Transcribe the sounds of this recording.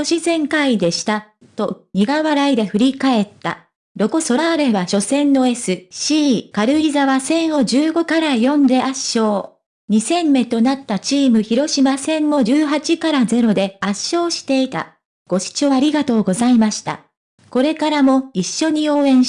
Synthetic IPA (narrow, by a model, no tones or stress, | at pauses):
oɕizẽ̞ŋkaid̪e̞ɕi̥t̪a | t̪o̞ɲ̟iɡaβaɾaid̪e̞ɸɯ̟ɾʲikae̞t̪ːa̰ | ɾo̞koso̞ːɾe̞βaɕo̞sẽ̞nːo̞e̞sɨɕiːkaɾɯ̟ɾʲizaβasẽ̞ɰ̃o̞ʑɨːɡo̞kaɾajõ̞nd̪e̞ʔaɕːo̞ː | ɲ̟isẽ̞mːe̞t̪o̞nat̪ːat͡ɕiːmɯ̟çiɾo̞ɕimasẽ̞mːo̞ʑɨːɦat͡ɕikaɾaze̞ɾo̞d̪e̞aɕːo̞ːɕi̥t̪e̞it̪a̰ | ɡ̥o̞ɕi̥t͡ɕo̞ːaɾʲiɡat̪o̞ːɡo̞zaimaɕi̥t̪a̰ | ko̞ɾe̞kaɾamo̞iɕːo̞ɲ̟io̞ːẽ̞ɰ̃